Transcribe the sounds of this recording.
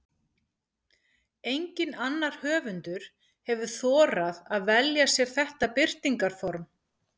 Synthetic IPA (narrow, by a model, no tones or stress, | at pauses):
ejɲcɪnanːaɾ̥hœːvʏnt̪ʏɾ̥ | hɛvʏθɔːɾaðaðvɛljasjɛɾ̥θɛht̪apɪr̥t̪iŋkaɾ̥fɔɾm